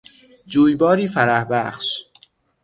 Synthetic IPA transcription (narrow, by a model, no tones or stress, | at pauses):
d͡ʒuːjbɒːɾiːfæɾæhbæχʃ